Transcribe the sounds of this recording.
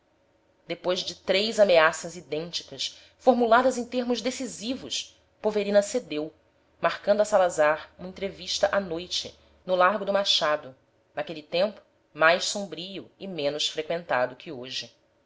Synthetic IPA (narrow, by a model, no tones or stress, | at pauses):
d̪epojʒd͡ʒɪt̪ɾejzameasɐzid̪ẽnt͡ʃi̥kɐs | foɾmulad̪ɐzẽj̃t̪eɾmʊʒd̪esizivʊʃ | poveɾĩnɐsed̪ew | maɾkɐ̃nd̪ʊɐsalazaɾũmɐẽnt̪ɾeviʃt̪ɐʔanojt͡ʃɪ̰ | nʊlaɾɡʊd̪ʊmaʃad̪ʊ | nakelit̪ẽmpʊ̥ | majʃsõmbɾijʊimẽnʊsfɾekwẽnt̪ad̪ʊkʲʰɪoʒɪ